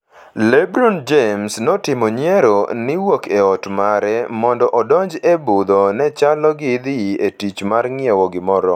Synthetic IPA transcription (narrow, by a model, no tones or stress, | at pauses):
lɛbɾɔnd͡ʒemsnɔtɪmoɲjɛɾonɪwokʰeɔtmaɾɛmɔndɔʔɔdɔɲd͡ʒebud̪onɛt͡ʃalɔɡɪd̪ɪetit͡ʃmarŋɪewɔɡɪmɔɾɔ